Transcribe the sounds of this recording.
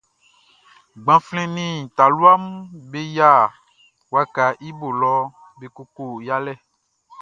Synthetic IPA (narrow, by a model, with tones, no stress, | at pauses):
ɡ͡bã˨flɛ̃˦nĩ˦˨t̪a˨lu˦a˦m˦be˦ja˦˨ | wa˦ka˨ʔi˦bo˨lɔ˦ | be˨ko˦ko˦˨ja˦lɛ˦˨